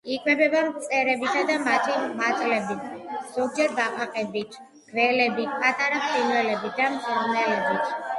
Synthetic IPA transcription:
ikʰʼwɛbɛbamt̪sʼɛɾɛbit̪ʰad̪amat̪ʰimat̪ʼlɛbiz̥ɔɡ̚d͡ʒɛɾbaqʼaqʼɛbit̪ʰ | ɡ̥vɛlɛbipʼat̪ʼaɾapʰɾinvɛlɛbid̪amt̪sʰʼɔɾnɛlɛbit̪ʰ

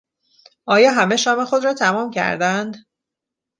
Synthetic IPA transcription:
ʔɒːjɒːɦæme̞ʃɒːme̞xo̞d̪ɾɒːt̪ʰæmɒːmcʰæ̰ɾd̪ænd̪

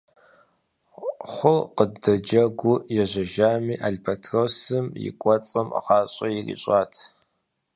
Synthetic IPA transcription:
χʷʊqədɐd͡ʒɐɡʷʊjɛʒʷɐʒaːmiːʔaɮʲbʰɐtʰrosɨmjɪ̰kʷʼɔt͡sʼɐma̰ʁɑːɕʼɐjirḭɕʷʼaːtʰ

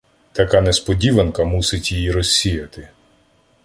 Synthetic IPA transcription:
t̪ɐkanɛspɔdʲiʋɐnkɐmusɪtʲjijiɾɔsʲːijɐt̪ɪ

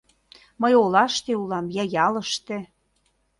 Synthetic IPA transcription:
məjolɑʃt̪eulɑmjɑjɑləʃt̪ĕ

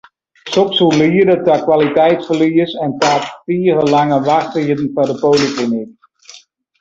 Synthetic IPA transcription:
sɔpsuliːədətakʋalitɛjtfəliəsɛntaːtfiərəlaŋəʋaxtitn̩fadəpoːliklinik

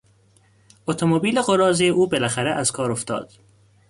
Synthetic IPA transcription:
ot̪ʰomobiːleɣoɾɒːzijeʔuːbelæxæɾeʔæz̥kʰɒːɾoft̪ɒ̰ːd̪̥

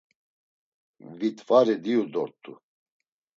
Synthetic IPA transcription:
vit̪vaɾid̪iud̪ɔɾt̪ʼṵ

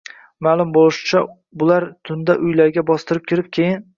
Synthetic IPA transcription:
maːlˠʊmbolˠɪʃɪ̥t͡ʃʰa | bʊlaɾt̪ʰʊnd̪aʔʊjlaɾɡʲabɒst̪ɪɾɪp̚kʲʰɪɾɪp̚kʲʰejɪn

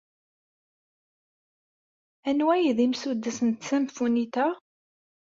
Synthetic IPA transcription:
ænwæjðimsud̪ːəsənt̪sæmfunit̪æ

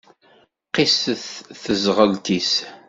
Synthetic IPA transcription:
qɪsəθθəzʁəlt̪is

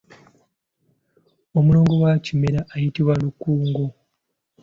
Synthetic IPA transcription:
omulo̞ːŋɡo̞wacime̞ɾaʔːjitiβwalukːuːŋɡo

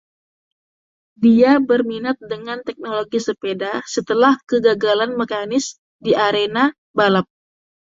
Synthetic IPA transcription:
diabərminat̪̚dəŋant̪ɛk̚noloɡisəpedasət̪əlahkəɡaɡalanmekanɪs | diaɾena | balap̚

